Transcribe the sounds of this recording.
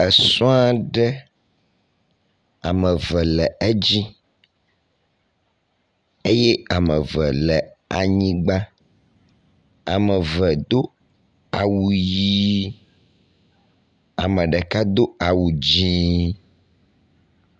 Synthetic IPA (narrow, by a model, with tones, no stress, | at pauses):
ɛ˨sɔ̃˦a˦ɖɛ˦ | a̰˨mɛ̃˨vɛ˨lɛ˨ɛ˦d͡ʑi˦ | e˦je˦a˨mə˨vɛ˨lɛ˨a̰˨ɲĩ˦ɡ͡ba˦ | a˨mə̃˨vɛ˨d̪o˦ | a˨wu˨ji˦ | a˨mɛ̃˨ɖɛ˨ka˦d̪o˦a˨wu˨d͡ʑĩ˦